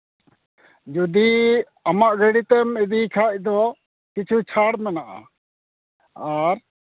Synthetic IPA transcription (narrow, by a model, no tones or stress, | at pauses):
d͡ʒud̪i | amaʔɡəɽit̪ɛmɛd̪ikʰac̚d̪ɔ | kit͡ʃʰut͡ʃʰaɽmanaʔa̰ | aɾ